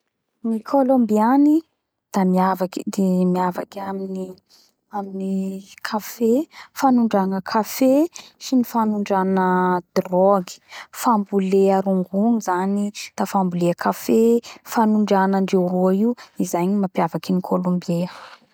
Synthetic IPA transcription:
nikʰolombiani | d̪̥amiavakid̪emiava̰kamini | aminikʰafefanuɳɖ͡ʐanəkʰafeʃinifanuɳɖ͡ʐanəd̪̥rɔɡi̥fambuleaɾuŋɡuŋizanid̪̥afambuleəkʰafefanuɳɖ͡ʐanaɳɖ͡ʐeɾuaiuizajɲimapjavakinikʰolõmbie

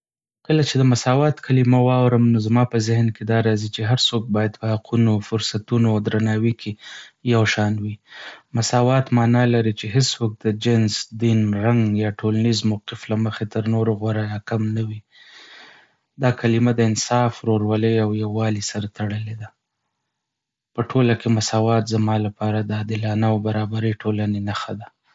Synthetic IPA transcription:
kəlat͡ʃed̪əmasɑwɑt̪kʰalimawɑwɾəmnozmɑpəzɪhnked̪ɑɾɑzit͡ʃeɦaɾsok̚bɑjad̪̚pəhaqʰunofʊɾsat̪unoad̪ɾanɑwikʰejawʃɑnwimasɑwɑt̪mɑnɑlaɾit͡ʃeɦɪswok̚d̪əd͡ʒɪnzd̪inɾaŋɡjɑʈʰolanizmawqɪflaməxet̪əɾnoɾoɣwaɾajɑkamnawi | d̪ɑkalimad̪əɪnsɑfɾoɾwaləjawjawɑlisaɾat̪aɽəled̪a | pəʈʰolakemasɑwɑt̪zamɑlapɑɾad̪əɑd̪ɪlɑnaawbaɾɑbaɾəʈʰolanenaxad̪a

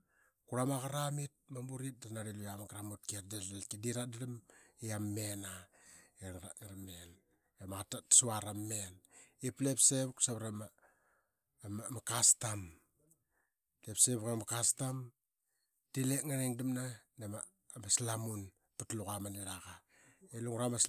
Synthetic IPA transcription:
kuɾamaɣaɾamit̚mambuɾit̚danaɾilujamaɡɾamut̚kiatdaalkidiɾadadamiamːena | eɾaɾaŋaɾamːen | ematatsuaɾamːeniplepseβksaβɾama | mmakastam | lepseβkamakastam | tileŋaɾiŋdamnanema | maslamun | patlukamaniɾaɣa | eluŋɾamas

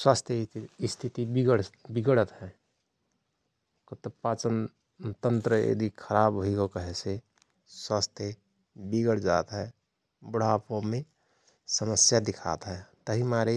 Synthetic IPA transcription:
swaːst̪ʰjəɪst̪ʰit̪ibiɡəɽbiɡɽət̪ɦɛ̃ | kot̪əpaːt͡ʃən | t̪ənt̪ɾəj̰d̪ʱikʰəɾaːbɦoiɡokəɦese | swaːst̪ʰjə | biɡəɽd͡ʒa̰ːt̪ɦɛ | bəɽ̤aːpomẽ | səməsjad̪ɪkʰa̰ːt̪ɦɛːt̪əɦimaːɾe

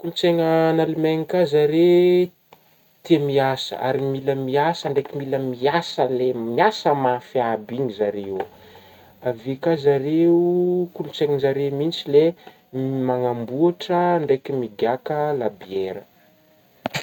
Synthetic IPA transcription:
kulut͡seŋənalimeŋikazaɾe | t̪iemiasə̰ʔa̰ɾimiləmiasəɳɖ͡ʐejkʲimiləmiasəlemiasəmafiabiŋizaɾeo | avekazaɾeukulut͡seŋəzaɾemint͡sile | maŋambuaʈ͡ʂəɳɖ͡ʐekimiɡakəlabiɛɾə

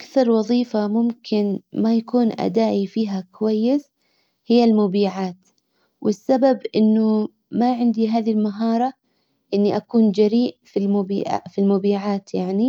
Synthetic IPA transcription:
ʔakθɑɾˤwɑðˤiːfamʊmkʰɪnmajakuːnʔa̰d̪aːʔifiːɦakʊwajːɪs | hɪjːalmʊbiːʕaːt̪ | wɪsːababʔɪnːʊ | maʕɪnd̪iɦaːðilmaɦɑːɾˤɑ | ʔɪnːiʔakuːnd͡ʒaɾiːʔfilmʊbḭːʕa̰filmʊbiːʕaːt̪jaʕni

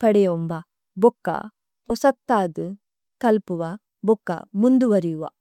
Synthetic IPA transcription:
pɐɽejombɐ | bɔkːɐ̰ | ɔsɐk̚t̪aːd̪u | kɐlpuʋɐ | bɔkːɐ̰mund̪uʋɐɾijuʋɐ̰

